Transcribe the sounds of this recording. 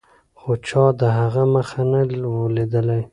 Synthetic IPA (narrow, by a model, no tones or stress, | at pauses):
xot͡ʃɑd̪əɦaɣaməxanawoled̪əlaj